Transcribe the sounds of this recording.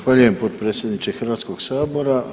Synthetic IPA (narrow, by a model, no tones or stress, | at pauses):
xʋaʎuje̞mpot̪pɾet̪sʲjed̪nit͡ʃexrʋaːt̪sko̞ɡ̥saːbo̞ɾa